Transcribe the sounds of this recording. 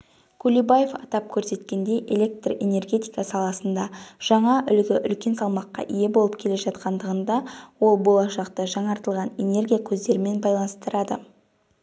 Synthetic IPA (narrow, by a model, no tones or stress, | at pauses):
kʲʰulʲibaje̞fɑ̰t̪ɑp̚kʲʰɵɾse̞t̪kʲe̞nd̪e̞jʔe̞̰le̞k̚t̪re̞ne̞rɡʲe̞t̪ijkɑsɑlˠɑsənd̪ɑʒ̥ɑɴɑʔʏlɡʲɪʔʏlkʲe̞nsɑlˠmɑqːɑ̰ʔije̞bo̞lˠəpkʲʰe̞le̞ʒɑt̪qɑnd̪əʁənd̪ɑwo̞lˠbo̞lˠɑʃɑqt̪əʒɑɴɑɾt̪əlˠʁɑne̞ne̞rɡʲijakʲʰɵzd̪e̞ɾɪme̞nbɑjlˠɑnəst̪əɾɑd̪ə̰